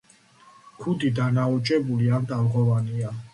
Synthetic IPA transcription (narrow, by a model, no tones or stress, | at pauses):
kʰud̪id̪anaɔt͡ʃʼɛbuliand̪avʁɔvania